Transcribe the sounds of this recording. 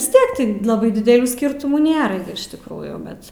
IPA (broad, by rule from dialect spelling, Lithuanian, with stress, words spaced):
ʋʲɪs ˈtʲiɛk ˈtʲɪ ˈlˠɑːbɐɪ dʲɪdʲɛlʲˈuː ˈsʲkʲɪrtʊmuː ˈnʲeːrɐ ɡʲɪ ɪʃ tʲɪkˈruːjuː ˈbʲɛt